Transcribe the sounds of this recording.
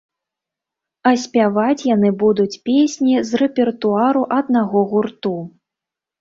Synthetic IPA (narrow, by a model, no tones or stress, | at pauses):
ɐsʲpʲavat͡sʲjanɨbud̪ut͡sʲpʲesʲnʲizrɛpʲɛrt̪uaɾuʔɐd̪naɣɔɣurt̪u